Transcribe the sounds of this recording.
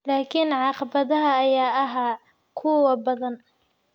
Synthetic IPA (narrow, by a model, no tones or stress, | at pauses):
laːkʰɪnʕɑqɑbɐðɐɦɐːjaːɐɦaː | kʰʊwɐbɐðɐn